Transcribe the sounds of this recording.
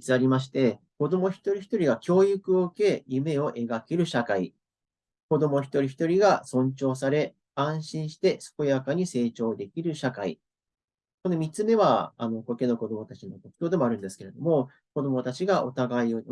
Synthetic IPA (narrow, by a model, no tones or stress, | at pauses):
t͡sɨaɾʲimaɕ̬i̥t̪e̞ | ko̞d̪o̞mo̞çi̥t̪o̞ɾʲiçi̥t̪o̞ɾʲiɡakʲo̞ːjɯ̟kɯ̟oɯke̞jɯ̟me̞o̞ʔe̞ɡakeɾɯ̟ɕakai | ko̞d̪o̞mo̞çi̥t̪o̞ɾʲiçi̥t̪o̞ɾʲiɡasõ̞ɲ̟t͡ɕo̞ːs̬aɾe̞ | ãɰ̃ɕĩɰ̃ɕi̥t̪e̞sɨ̥ko̞jakaɲ̟ise̞ːt͡ɕo̞ːd̪e̞kʲiɾɯ̟ɕakai | konomʲit͡sɨme̞βaa̰no̞koke̞no̞ko̞d̪o̞mo̞t̪at͡ɕino̞t̪okɯ̥kʲoːd̪e̞moaɾɯ̟̃nd̪e̞sɨ̥ke̞ɾe̞d̪o̞mo̞ | ko̞d̪o̞mo̞t̪at͡ɕiɡaʔot̪aɡai